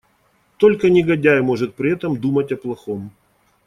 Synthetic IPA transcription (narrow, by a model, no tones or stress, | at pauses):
t̪o̞lʲkənʲɪɡɐdʲæjmo̞ʐɨt̪̚pɾʲɪɛt̪əmd̪umɐtʲɐplˠɐxom